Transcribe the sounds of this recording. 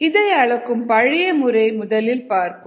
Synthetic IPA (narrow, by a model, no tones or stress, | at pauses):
ɪðɐjɐɭɐkːɯmpɐɻɪjɐmɯɾɐɪmʊðɐlɪlpaːɾkɯ